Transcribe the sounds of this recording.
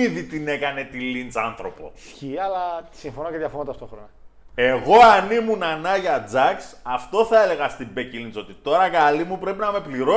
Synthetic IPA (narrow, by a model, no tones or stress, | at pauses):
iðit̪ine̞kɐne̞t̪ilint͡sɐnθɾo̞po̞̰sçiɐlɐt̪i̥siɱfo̞noceðjɐfont̪ɐft̪o̞xɾonɐe̞ɣo̞ɐnimunɐnɐʝɐd͡zɐksɐft̪o̞θɐe̞le̞ɣɐst̪imbe̞cilinso̞t̪it̪o̞ɾɐkɐlimupɾe̞pinɐme̞pliɾo